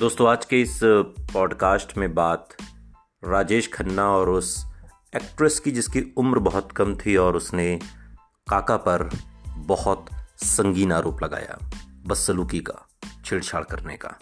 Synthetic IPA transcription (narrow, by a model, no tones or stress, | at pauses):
d̪oːst̪õaːd͡ʒkeɪspɔːɖkaːsʈmẽbaːt̪ | ɾaːd͡ʒeːʃkʰɐnːaɔːɾʊs | eːkʈɾəskid͡ʒɪskiʊmɾbɐɦʊt̪kɐmt̪ʰiɔːɾʊsne | kaːkapɐɾbɐhʊt̪sɐ̃ŋɡiːnaːɾʔoːplɐɡa̰ːja̰ːbɐsəluːkika̰t͡ʃʰɪɽt͡ʃʰaːɽkɐɾnḛka̰ː